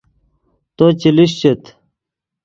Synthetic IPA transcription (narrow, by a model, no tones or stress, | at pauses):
t̪ot͡ɕiliɕt͡ɕet̪